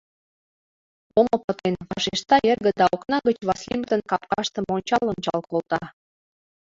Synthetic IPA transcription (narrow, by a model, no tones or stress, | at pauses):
omə̆pə̆t̪envɑʃeʃt̪ɑjerɣə̆d̪ɑoknɑɣət͡ɕβɑslʲimt̪ə̆nkɑp̚kɑʃt̪ə̆monʲt͡ɕɑlont͡ɕɑ̰lkolt̪ɑ